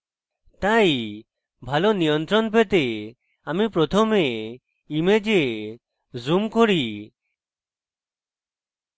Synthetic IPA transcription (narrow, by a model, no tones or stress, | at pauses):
t̪aj | bʱalɔnijɔnt̪ɾɔnpet̪e | amipɾɔt̪ʰɔme | imed͡ʒe | zumkoɽi